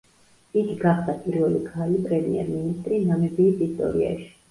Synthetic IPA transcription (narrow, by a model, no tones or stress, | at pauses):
iɡiɡaχd̪apʰʼiɾvɛliɡʰalipʼɾɛmḭɛ̰ɾminist̪ʼɾinamɛbiːt̪ʼist̪ʼɔ̰ɾḭa̰ʃi̥